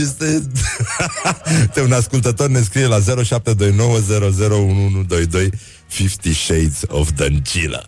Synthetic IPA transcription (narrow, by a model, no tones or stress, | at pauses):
est̪e | t̪eunaskult̪ət̪o̞rne̞s̬kɾijelaze̞ɾo̞ʃap̚t̪e̞d̪o̞jno̞wəze̞ɾo̞ze̞ɾo̞unuunud̪o̞jd̪o̞j | fift̪iʃejt̪so̰fd̪ənt͡ʃilə̰